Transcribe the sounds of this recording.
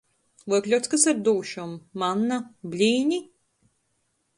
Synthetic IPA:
vɔjklʲuwt̪skasaɾd̪uːʃumːanːablʲiːɲʲi

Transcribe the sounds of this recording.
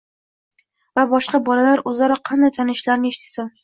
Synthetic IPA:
vabɒʃqɑbɒlalaɾɵzaɾɒqʰɑnd̪ajt̪ʰanɪʃlaɾnɪeʃɪt̪ʰsan

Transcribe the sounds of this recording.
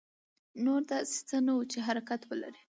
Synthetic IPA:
noɾd̪ase̥t͡sənawut͡ʃeɦaɾakat̪wəla̰ɾi

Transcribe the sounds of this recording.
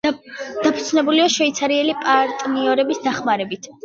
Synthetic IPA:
d̪̥apʰu̥t̪sʰnɛbuliaʃvɛit̪sʰaɾiɛlipʼaɾt̪ʼniɔɾɛbisd̪aχmaɾɛbit̪ʰ

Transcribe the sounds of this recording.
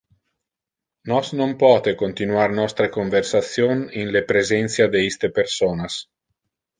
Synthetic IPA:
nɔsnompɔːt̪ekont̪inuarnɔst̪ɾekoɱversat̪sjoninlepɾezɛnt̪sjad̪eist̪epersoːnas

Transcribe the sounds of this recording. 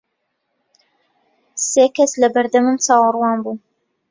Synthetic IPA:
seːkɐslɐbɐɾd̪ɐmɨmt͡sɑːwɨrwɑːnbuː

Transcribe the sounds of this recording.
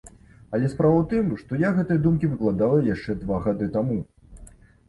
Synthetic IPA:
ɐlʲɛspɾavɐwt̪ɨmʂt̪ɔjaɣɛt̪ɐjɐd̪umkʲivɨklˠad̪alˠɐjaʂt͡ʂɛd̪vaɣad̪ɨt̪amu

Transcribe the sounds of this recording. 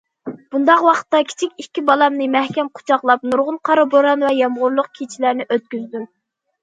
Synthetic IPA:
b̥und̪ɑqwɑqʰə̥t̪ːɑkʲʰi̥t͡ʃʰikʲikʲːibɑlˠɑmnɨmæhkʲɛmqʰʊ̥t͡ʃʰɑχlˠɑp̚nuɾʁʊnqʰɑɾɨboɾɑnvɛjɑmʁʊɾlˠʊq̚kʲʰit͡ʃʰilæɾnɪʔøt̪̚kʲyzd̪ym

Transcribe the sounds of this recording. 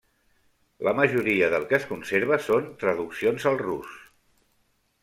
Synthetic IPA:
ləməʒuɾiəðəlˠkəːskunseɾβ̞əsont̪ɾəðuksionzəlˠrus

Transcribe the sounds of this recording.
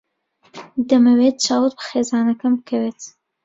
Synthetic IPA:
d̪ɐmɐweːt̪̚t͡ʃɑːwɨt̪̚bɨ̥xeːzɑːnɐkɐmɨkʰɐweːt̪

